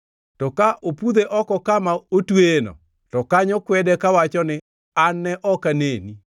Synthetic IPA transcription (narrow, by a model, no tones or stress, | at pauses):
tɔkaʔopud̪eʔɔkɔkamaotwenɔ̰ | tɔkaɲɔkwɛdɛkawat͡ʃɔnɪ | anːɛʔɔkaneni